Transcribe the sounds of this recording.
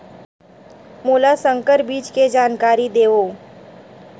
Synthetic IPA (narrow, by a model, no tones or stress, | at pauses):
moːlasə̃ŋkəɾbiːt͡ʃked͡ʒaːnkaːɾid̪eːʋoː